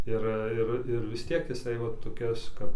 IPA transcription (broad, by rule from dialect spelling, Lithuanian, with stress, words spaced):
ˈɪr ˈɪr ˈɪr ˈʋʲɪs ˈtʲiɛk jɪˈsɐɪ ˈʋɐ toːˈkʲɛs ˈkɐp